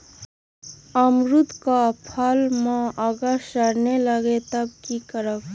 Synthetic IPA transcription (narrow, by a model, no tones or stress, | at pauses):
əmɾut̪kapʰəlmãʔəɡəɾʃəɾneləɡet̪əb̚kikəɾək